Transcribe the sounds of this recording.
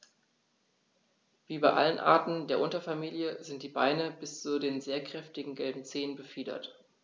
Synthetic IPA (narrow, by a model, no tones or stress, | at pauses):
v̥iːbaɪʔa̰lənʔa̰ːɐtn̩deːɐʔʊntɐfamiːljəzɪnt̚d̥iːba̰ɪnəbɪst͡sudeːnzeːɐkʁ̥ɛftɪɡŋ̩ɡɛlbm̩t͡seːənbəfiːdɐ̰t